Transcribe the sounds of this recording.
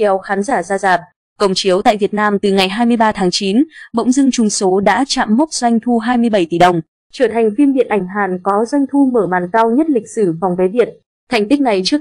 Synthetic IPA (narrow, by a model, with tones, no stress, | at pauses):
ɛ˧wxaː˨˦nzaː˧˩zaː˧zaː˨˩p̚ | kə˨˩wŋ͡mt͡ɕi˨˦əwt̪a̰ː˧˨jvi˨˩ət̚naː˧mt̪ɨ˨˩ŋa˨˩jɦaː˧jmɨ˧əjɓaː˧t̪ʰaː˨˦ŋt͡ɕi˨˦nɓə̰˧˥wŋ͡mzɨ˧ŋt͡ɕʊ˨˩ŋ͡mso˨˦ɗa̰ː˧˥t͡ɕa̰ː˧˨mːo˦˥t̚zwa˧jŋ̟t̪ʰu˧ɦaː˧jmɨ˧əjɓə˧˩jt̪i˧˩ɗə˨˩wŋ͡m | t͡ɕəː˧˩t̪ʰa˨˩jŋ̟fi˧mɗḭ˧˨ənʔa˧˩ŋ̟ɦaː˨˩nkɔ˨˦zə˧ŋ̟t̪ʰu˧məː˧˩ɓaː˨˩nka˧wɲə˦˥t̚lï˨˩k̟̚sɨ˧˩fa˨˩wŋ͡mve˨˦jvi˨˩ət̚ | t̪ʰa˨˩jŋ̟t̪i˦˥k̚na˨˩jt͡ɕɨ˦˥ək̚